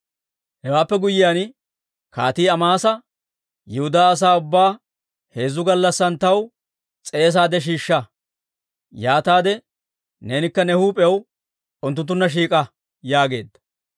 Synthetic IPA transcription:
hɛwaːpːɛɡʊjːɪjaːn | kaːt̪iːɐmaːsɐ | jɛhʊd̪aːɐs̬aːʊbːaː | he̞ːzːʊɡɐlːɐsːɐnt̪ɐw | t͡sʼe̞ːs̬aːd̪ɛʃ̬iːʃːɐ | jaːt̪aːd̪ɛ | neːnɪkːɐnɛhuːpʼɛw | ʊnt̪ːʊnt̪̬ːʊnːɐʃ̬iːkʼɐ | jaːɡe̞ːd̪ːɐ̥

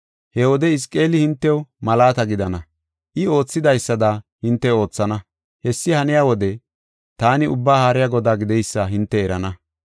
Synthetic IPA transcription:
hɛwɔd̪ɛɪs̬kʼːe̞ːlɪhɪnt̪ːɛwmɐlaːt̪ɐɡɪd̪ɐnɐ | ʔɪo̞ːt͡sːɪd̪ɐjsːɐd̪ɐhɪnt̪ːɛo̞ːt͡sːɐnɐ | hɛsːɪhɐnɪjaːwɔd̪ɛ | t̪aːnɪʊbːaːhaːɾɪjaɡɔd̪aːɡɪd̪ɛjsːɐɦɪnt̪ːɛɛɾɐnɐ

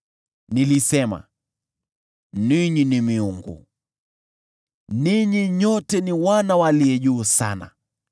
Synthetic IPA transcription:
nilisɛma̰ | niɲinimiuŋɡṵ | niɲiɲɔtɛniwanawaliɛʄuːsa̰na̰

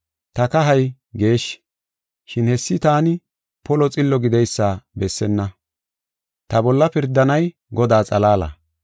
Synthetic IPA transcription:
t̪ɐkɐɦɐj | ɡe̞ːʃ | ʃɪnhɛsːɪt̪aːnɪ | pɔlɔt͡sʼɪlːɔɡɪd̪ɛjsːaːbɛsːɛnːɐ | t̪ɐbɔlːɐpɪɾd̪ːɐnɐj | ɡɔd̪aːt͡sʼɐlaːlɐ̰

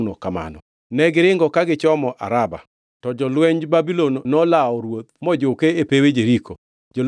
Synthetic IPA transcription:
nɔkama̰nɔ̰ | nɛɡɪɾɪŋɡɔkaɡɪt͡ʃɔmɔʔa̰ɾaba̰ | tɔd͡ʒɔlwɛɲd͡ʒbabilonnɔlaɔɾwot̪̚mɔd͡ʒokeepewed͡ʒeɾiko | d͡ʒɔl

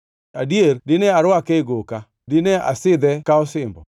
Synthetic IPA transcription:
adierdɪnɛaɾwakeɡoka | dɪnɛa̰sɪd̪ɛkaɔsɪmbɔ̰

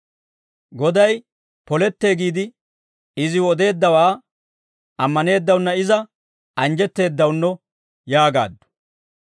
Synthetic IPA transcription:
ɡɔd̪ɐj | pɔlɛt̪ːe̞ːɡiːd̪ɪ | ɪzɪwɔd̪e̞ːd̪ːɐwaː | ɐmːɐne̞ːd̪ːɐwnːɐɪzɐ | ɐnd͡ʒɛt̪ːe̞ːd̪ːɐwnːɔ | jaːɡa̰ːd̪ːʊ̥

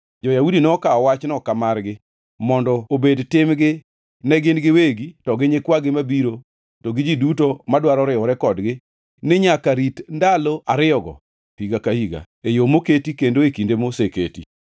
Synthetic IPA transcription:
d͡ʒɔjaudinɛɔkaɔwat͡ʃnɔkamarɡɪ | mɔndɔobedtɪmɡɪ | nɛɡɪnɡɪweɡitɔɡɪɲekwaɡɪmabiɾo | tɔɡɪd͡ʒidutomadwaɾɔɾɪɔɾɛkɔdɡɪ | nɪɲakaɾitndaloaɾɪjɔɡɔ̰ | piɡakahiɡa̰ | ejomoketikendoekindemoseketḭ

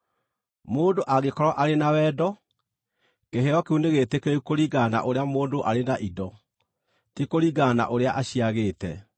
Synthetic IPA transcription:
moːndoʔaɣekɔɾɔʔaɾenawɛːdɔ | keɦeɾɔkeuneɣetekeokoɾiɡana̰ʔoɾeamoːndoʔaɾenaʔidɔ | tikoɾiɡaːna̰ʔoɾeaʔaɕiaɣeːtɛ̰

